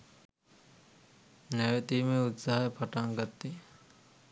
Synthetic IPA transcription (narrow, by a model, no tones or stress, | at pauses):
nɛʋet̪iːmeut̪saɦaepʰɐʈaŋɡɐt̪ːi